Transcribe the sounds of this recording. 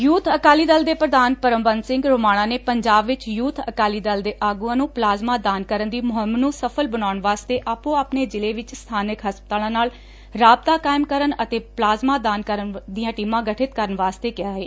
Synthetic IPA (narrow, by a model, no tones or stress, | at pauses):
juːt̪ʰəkaːliːd̪əld̪eːpɾəd̪aːnpəɾəmbənsɪ̃ŋɡɾoːmaːɽ̃ãːneːpəɲd͡ʒaːbʋɪt͡ʃjuːt̪ʰəkaːliːd̪əld̪eːʔaːɡuãːnũːplaːzmãːd̪aːnkəɾənd̪iːmʊɦəmːnuːsəpʰəlbənaːʊɳʋaːst̪eːʔaːpũːaːpneːd͡ʒɪleːʋɪt͡ʃst̪ʰaːnɪkɦəspət̪aːlãːnaːl | ɾaːb̚t̪aːkaːɪmkəɾənət̪eːplaːzmaːd̪aːnkəɾənd̪ɪjãːʈiːmãːɡəʈʰɪt̪kəɾəɳʋaːst̪eːkɪjaːɦeː